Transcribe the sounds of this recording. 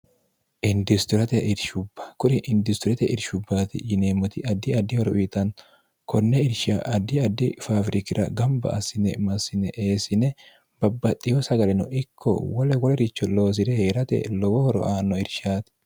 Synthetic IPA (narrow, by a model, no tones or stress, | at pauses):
ʔɪnd̪ɪst̪ʊɾɐt̪ɛʔɪɾʃʊbːɐ̥kʊɾɪʔɪnd̪ɪst̪ʊɾɛt̪ɛʔɪ̰ɾʃʊbːaːt̪ɪ̰jɪneːmːɔt̪ɪʔɐd̪ɪɐd̪ɪhɔɾɔʔʊɪt̪ɐn | kʰɔnːɛɪɾʃaʔɐd̪ɪɐd̪ːɪfaːfɾɪkɪɾɐ̰ɡɐmbɐ̰ɐsɪnɛ̰mɐsɪnɛʔeːsɪnɛ | b̥ɐbːɐt̪ʼːɪjɔsɐɡɐlɛnɔ̰ʔɪkʰːɔ̰wɐlɛwɔlɛɾɪt͡ʃːɔlo̞ːs̬ɪd̪ɛheːɾɐt̪ɛ̰lɔwɔhɔɾɔ̰ʔaːnːɔɪɾʃaːt̪ɪ̥